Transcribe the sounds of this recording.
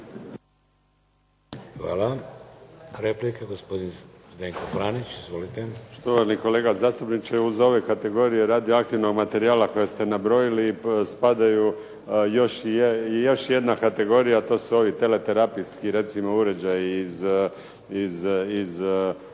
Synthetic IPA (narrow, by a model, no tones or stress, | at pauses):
xʋa̰ːla | ɾeplikaɡospo̞d̪in | zd̪eŋkofɾaːnit͡ɕizʋolit̪eʃt̪oʋaɾniko̞le̞ːɡazaːst̪upnit͡ʃeuzo̞ʋe̞kat̪e̞ɡo̞ːɾije̞ɾaːd̪ioak̚t̪iʋno̞ɡmat̪e̞ɾiaːlako̞jest̪e̞nabɾo̞jilispad̪aju | jo̞ʃejo̞ʃje̞d̪nakat̪e̞ɡo̞ɾijat̪o̞ːsuo̞ʋit̪e̞le̞t̪eɾapiskiɾe̞t̪simouɾe̞d͡ʒajiːz | izːz